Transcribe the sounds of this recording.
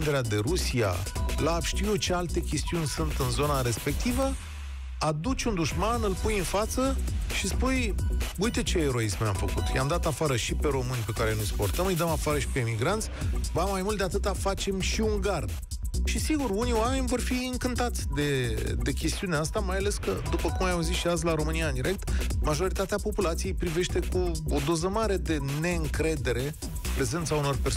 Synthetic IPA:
nd̪e̞ɾead̪e̞ɾusia̰laːbʃt̪iut͡ʃe̞alt̪e̞kʲe̞st̪iunʲsunt̪ɨnzo̞naɾe̞spe̞k̚t̪ivə | ad̪ut͡ʃund̪uʃmanɨlpujɨnfat̪səʃispujujt̪et͡ʃe̞eɾo̞ismʲa̰mfəkṵt̪ja̰md̪at̪afaɾəʃipe̞ɾo̞mɨnʲpe̞kaɾenujspo̞rt̪əmɨjd̪əmafaɾəʃi̥pe̞imiɡɾant̪sʲvamːajmult̪d̪e̞at̪ɨt̪afat͡ʃe̞mʃiuŋɡard̪ | ʃisiɡuruniwame̞nʲvo̞rfiɨŋkɨnt̪at̪sʲd̪e̞d̪e̞kʲe̞st̪iuneast̪amajale̞skəd̪upəkumajauzisʃiaz̬ʲlaɾo̞mɨnijaɨnd̪iɾe̞k̚t̪maʒo̞ɾit̪at̪eapo̞pulat̪sije̞jpɾive̞ʃt̪e̞kuod̪o̞zəmaɾe̞d̪e̞ne̞ɨŋkɾe̞d̪e̞ɾe̞ | pɾe̞ze̞nt̪sauno̞rpe

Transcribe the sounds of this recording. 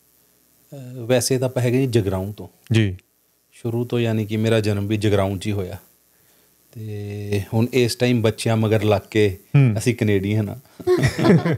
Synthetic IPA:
ʋɛːseːt̪ãːpəɦɛːɡid͡ʒəɡɾaːũːt̪õː | d͡ʒiː | ʃʊɾuːt̪õːjaːniːkɪmeːɾaːd͡ʒənmbiːd͡ʒəɡɾaːũːt͡ʃiːɦoːja̰ː | t̪eːhʊɳesʈaːiːmbətːʃjãːməɡəɾlaːkːeːəsĩːkəneːɖĩɦənã̰ː

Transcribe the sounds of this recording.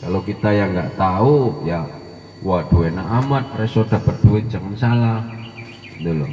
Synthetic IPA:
kalokit̪ajaŋɡaʔt̪auja | wad̥uenaʔamat̪̚rɛsɔd̥a̤pat̪̚d̥uɪd͡ʒaŋansalah | t̪ulo̰

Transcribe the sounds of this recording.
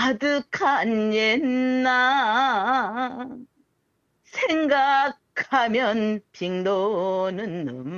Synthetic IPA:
adɯkʰanjenːa | sʰeŋɡakkʰamjʌnpiŋdonɯnɯm

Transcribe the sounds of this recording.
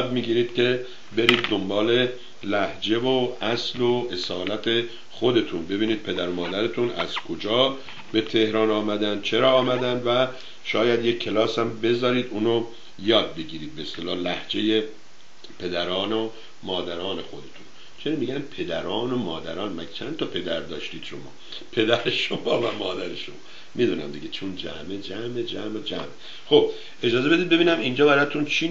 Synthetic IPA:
jd̪miːɡiːɾiːd̪kʰe̞ | be̞ɾiːd̪ːombɒːle̞ | læhd͡ʒe̞voæsloesɒːlæt̪ʰe | xod̪e̞t̪ʰunbe̞biːniːd̪̥̚pʰe̞d̪æɾomɒːd̪æɾet̪ʰunæ̰z̥kʰod͡ʒɒː | be̞t̪ʰe̞hɾɒːnɒːmæd̪ænd̪̚t͡ʃʰe̞ɾɒːmæd̪ænd̪væ | ʃɒːjæd̪je̞kʰːe̞lɒːshæmbe̞zɒːɾiːd̪uːno | jɒːd̪̚be̞ɡiːɾiːd̪̚beːst̪elɒːhlæhd͡ʒe̞je | pʰe̞d̪æɾɒːno | mɒːd̪æɾɒːne̞xo̞d̪e̞t̪ʰun | t͡ʃʰenimiɡænpʰe̞d̪æɾɒːnomɒːd̪æ̰ɾɒːnmæ̰ɡt͡ʃʰændt̪ʰɒpʰe̞d̪æɾd̪ɒːʃt̪iːd̪̥ʃo̞mɒ̰ː | pʰe̞d̪æɾeʃomɒːvæmɒːd̪æɾeʃomɒː | mʔid̪unæ̰md̪iɡet͡ʃʰund͡ʒæ̰med͡ʒæmed͡ʒæmed͡ʒæ̰me | xo̞b̥ | ʔe̞d͡ʒɒːzebe̞d̪id̪̚be̞biːnæmind͡ʒɒːbæɾɒt̪ʰunt͡ʃʰi

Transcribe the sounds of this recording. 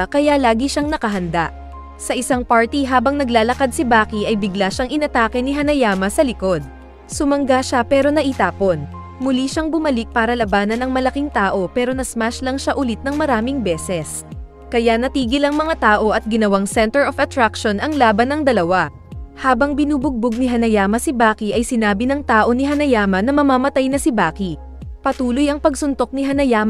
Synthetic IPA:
kɐjalaːɡiʃaŋnɐkɐɦɐnd̪a̰ʔ | sɐʔɪsaŋpaɹt̪iɦaːbɐŋnɐɡlaːlɐkad̪̚sibaːkiʔɐjbɪɡlaʃaŋʔɪnɐt̪aːkɛnɪɦɐnɐjaːmɐsɐlɪko̞d̪̚ | sʊmɐŋɡaʃapɛːɾo̞nɐʔɪt̪aːpo̞n | mʊliʃaŋbʊmɐlɪk̚paːɾɐlɐbaːnɐnɐŋmɐlɐkiŋt̪aːʔo̞pɛːɾo̞nɐsmaʃlɐŋʃaʔʊlɪt̪̚nɐŋmɐɾaːmɪŋbɛːsɛs | kɐjanɐt̪iːɡɪlɐŋmɐŋat̪aːʔo̞ʔɐt̪̚ɡɪnɐwaŋsɛnt̪ɛɹofɐt̪ɾakʃo̞nɐŋlaːbɐnɐŋd̪ɐlɐwa | haːbɐŋbɪnuːbʊɡ̚boɡ̚nɪɦɐnɐjaːmɐsɪbaːkiʔɐjsɪnaːbɪnɐŋt̪aːʔo̞nɪɦɐnɐjaːmɐnɐmɐmamɐt̪ajnɐsɪbaːki | pɐt̪uːlojɐŋpɐɡsʊnt̪o̞k̚nɪɦɐnɐjaːmɐ

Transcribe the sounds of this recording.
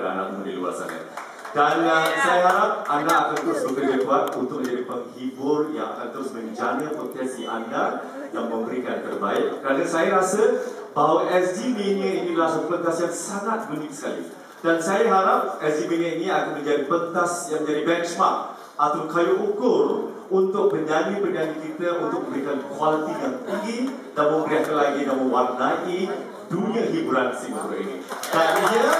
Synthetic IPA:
a̰na̰k̚mudḭlua̰sa̰na̰ | dansajaɦaɾap̚andaːkant̪əɾʊsbəkəd͡ʒəkuat̪̚unt̪ʊk̚mə̃d͡ʒadipəŋhibʊrja̰ŋa̰kant̪əɾʊsmənid͡ʒanə̃pot̪ɛsdiʔa̰ndar | jaŋmə̃mbəɾikant̪ərbaɪk̚kəɾanəsajaɾasə | baɦwaʔɛsdimeniəinĩdəlahsuplənk̪asiaŋsaŋat̪̚ɡənɪt̪̚sə̥kalḭ | d̥ansajaɦaɾap̚ɛsdiminiainĩakanmə̃ɲd͡ʒadipənk̪asjaŋmə̃ɲd͡ʒadibɛnt͡ʃmak̚ | at̪awkajuʔukʊr | unt̪ʊk̚mə̃ɲd͡ʒanĩpəɲanĩkit̪əunt̪ʊk̚əmbɾikankwalit̪ijaŋt̪iŋɡi | danmə̃mbəɾiak̪əlaɡidanmə̃wak̚naʔi | duniãɦibuɾansimkuɾa̰ʔḭnḭt̪aiɲə

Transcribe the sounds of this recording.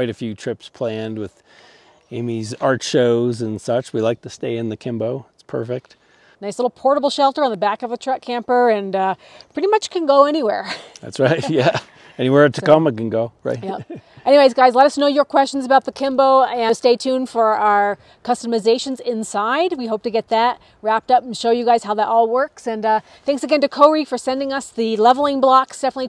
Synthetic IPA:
waɪɾɨfjʉtʰɹ̥ɪpspʰl̥æ̃nd̚wɨð̥ | ẽɪ̃mizɑɹtʃoʊzɨ̃nsʌt͡ʃwilaɪk̚tʰɨsteɪɨ̃nðɨkʰɪ̃mboʊɪtspʰɜ̰˞fɪk̚t̚ | naɪslɪɾl̩ˠpʰɔɹɾəbl̩ˠʃɛlˠtə˞ɨ̃nðəbækʌvðɨtʰɹ̥ʌt̚kʰæ̃mpə˞ɨ̃nʌpʰɹ̥ɪɾimʌt͡ʃkʰɨ̃nɡoʊɛñiwɛɹðæ̰tsɹaɪt̚jæ | ɛñiwɛɹtʰɨkʌməkɨ̃n̩ɡoʊɹa̰ɪtʔɛniweɪzɡaɪzlɛɾʌsnoʊjə˞kʰw̥ɛst͡ʃn̩zəbaʊt̪̚ðɨkʰɪ̃mboʊɨsteɪtʰʉ̃nfə˞aʊə˞ | kʰʌstəmɨzeɪʃɨ̃n̩zɪ̃nsaɪd̚wiɦoʊp̚tɨɡɛt̪̚ðɨt̚ | ɹæp̚tʌpn̩ʃoʊjɨɡaɪz̥haʊðəɾʔɔlˠwɜ˞ksɨ̃nʌ | θæ̃ŋksɨɡɛ̃ntɨkʰoʊɹifə˞sɛ̃ndɪ̃ŋʌsðɨlɛvl̩ˠɪ̃ŋblɑksd̥ɛfənətˡli

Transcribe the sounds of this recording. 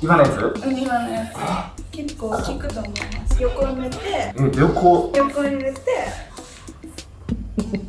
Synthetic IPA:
kʲikanaid̪sɨɯ̃imane | kʲekːoːkʲikɯ̟t̪oːmoimasɨ̥jokoɲiet̪e̞eɾʲokojokoɲiet̪e

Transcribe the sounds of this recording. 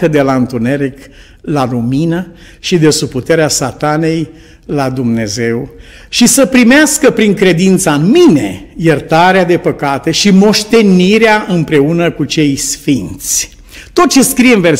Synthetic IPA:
kəd̪e̞laɨnt̪une̞ɾik | laluminə | ʃid̪e̞suput̪e̞ɾeasat̪ane̞j | lad̪umne̞ze̞w | ʃisəpɾimeaskəpɾiŋkɾe̞d̪int̪saɨnmine̞jert̪aɾead̪e̞pəkat̪e̞ʃimo̞ʃt̪e̞niɾeaʔɨmpɾe̞unəkut͡ʃe̞jsfint̪sʲ | t̪o̞t̪̚t͡ʃe̞skɾijeɨnver

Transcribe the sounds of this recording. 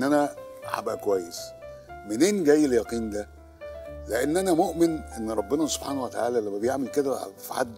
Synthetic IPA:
nʔænæʕa̰bʔækowæjːesmeneːnɡæjːeljɑqiːnd̪æ | leʔenːʔænæmoʔmɪnʔenːɾˤɑbːenæso̥b̥ħaːnwet̪aʕaːlælæmːæbejeʕmelked̪æ̰fħa̰d̪ː

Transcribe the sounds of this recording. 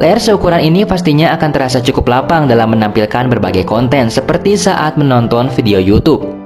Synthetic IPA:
laarsəukuɾaninipast̪iɲaːkant̪əɾasat͡ʃukʊplapaŋdalamːənampilkanbərbaɡajkɔnt̪ɛnsəpərt̪isaʔat̪̚mənɔnt̪ɔnfideojut̪up̚

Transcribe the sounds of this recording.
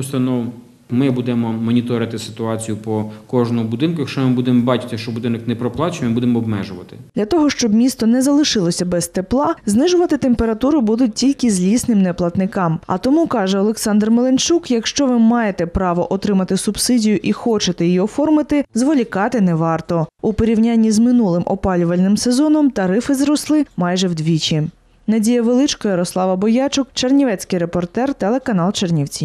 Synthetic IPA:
ʊst̪ɐnɔw | mɪbud̪ɛmɔmɔnʲit̪ɔɾɪt̪ɪsɪ̥t̪ʊɑt͡sʲijʊpɔkɔʒnʊmʊbʊd̪ɪnkʊjɐkʃt͡ʃɔmɪbud̪emɔbɑt͡ʃɪ̥t̪ɪʃt͡ʃɔbʊd̪ɪnɔknɛpɾɔplˠɑt͡ʃɪmɪbud̪emɔɔbmɛʒʊʋɐt̪ɪ̥dd̪lʲɐt̪ɔɦɔʃt͡ʃɔbmʲist̪ɔnɛzɐlˠɪʃɪlˠɔsʲɐbɛst̪eplˠɑznɪʒʊʋɐt̪ɪt̪empeɾɐt̪uɾʊbud̪ʊt̚ʲtʲilʲkɪzʲlʲisnɪmnɛplˠɐt̪nɪkɑmɐ̰t̪ɔmukɑʒɛɔlˠeksɑnd̪rmelˠent͡ʃukjɐkʃt͡ʃɔʋɪmɑjet̪ɛpɾɑʋɔʔɔt̪ɾɪmɐt̪ɪsʊbsɪdʲijʊʔixɔt͡ʃet̪ɛjijiɔfɔrmɪt̪ɪzʋɔlʲikɑt̪ɪnɛʋɑrt̪ɔupɔɾʲiwnʲanʲːizmɪnulˠɪmʔɔ̰pɑlʲʊʋɐlʲnɪmsezɔnɔmt̪ɐɾɪfɪzɾɔslˠɪmɑjʒɛwd̪ʲʋʲit͡ʃʲi | nɐdʲijɐʋelˠɪt͡ʃkɔjɐɾɔslˠɑʋɐbɔjɑt͡ʃʊkt͡ʃernʲiʋɛt͡sʲkɪjɾepɔrt̪ɛrt̪ɛlˠekɐn̪ɑlˠt͡ʃernʲiwt͡sʲi

